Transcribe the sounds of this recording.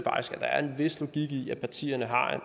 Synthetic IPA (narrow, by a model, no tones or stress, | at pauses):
fɑ̈ɡ̥isɡ̥æd̥ɑ̈æɐe̝nʋe̝slo̝ɡ̥iɡ̥iæpʰɑ̈t͡sʰḭːɐnəɦɑ̈